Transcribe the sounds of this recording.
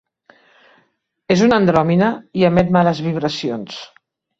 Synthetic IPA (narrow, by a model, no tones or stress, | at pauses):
ezunənd̪ɾɔminəiəmɛt̪maləzβiβ̞ɾəsions